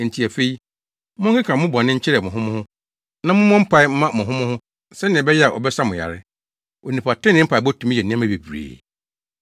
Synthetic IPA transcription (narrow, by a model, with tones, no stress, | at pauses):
n̩˨tʰi˨æ˨fe˦i˦ | mʊ̃˦ŋ˦kɪ˦kʰã˨mʊ̃˦bɔ̃˨nɪ̃˦ɲ̩˦t͡ɕʰɪ˦ɾɛ˨mʊ̃˨ɦʊ̃˦mʊ̃˦hʊ̃˦ | nã˦mʊ̃˦mɔ̃˦m̩˦pʰa˨ɪ˦m̩˦mã˦mʊ̃˨ɦʊ̃˦mʊ̃˦hʊ̃˦ | sɛ˦nɪ̃˨ɛ˨bɛ˦jɛ˦a˨ʔɔ̰˨bɛ˦sa˦mʊ̃˨ja̰˨ɾɪ˦ | ɔ˨nĩ˨pʰa˨tʰɪ̃˦nɪ̃˦m̩˦pʰa˨bɔ˦tʰũ˨m˦˨ɛ˨nĩ˦ã˦mæ̃˦be˨bɾḛː˨